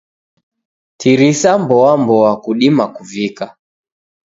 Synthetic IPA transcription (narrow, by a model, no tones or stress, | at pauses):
tʰiɾisambɔwambɔwakuɗimakuvika